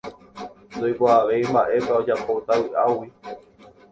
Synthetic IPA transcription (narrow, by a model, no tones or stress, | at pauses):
nd̪ojboaʋe̞imbãʔe̞paod͡ʒapot̪awɨʔawi